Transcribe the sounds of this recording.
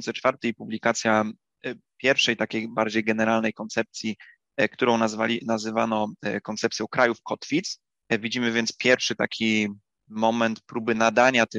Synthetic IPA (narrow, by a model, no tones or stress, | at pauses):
nt̪sɛt͡ʂfaɾt̪ɛjpublʲikat̪sʲja | pʲjɛɾfʂɛjt̪akʲejbaɾd͡ʑejɡɛnɛɾalnɛjkɔnt̪sɛp̚t̪sʲji | kt̪uɾɔ̃w̃nazanazɘvanɔkɔnt̪sɛpt̪sʲjɔ̃w̃kɾʔajufkɔt̪fʲit̪s | vʲid͡ʑimɘvʲjɛnt̪spʲjɛɾfʂɘt̪a̰kʲʰi | mɔmɛnt̪pɾubɘnad̪aɲat̪